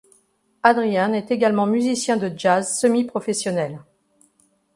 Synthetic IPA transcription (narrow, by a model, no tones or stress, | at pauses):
ad̪ʁijanɛt̪eɡalmɑ̃myzisjɛ̃d̪əd͡ʒazsəmipχɔfɛsjɔnɛl